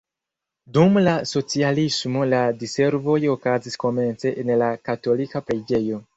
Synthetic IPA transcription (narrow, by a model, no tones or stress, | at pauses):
dumlaso̞t͡sialismo̞ladise̞ɾvo̞jokazisko̞me̞nt͡se̞ʔːnlakato̞likapɾed͡ʒe̞jo̞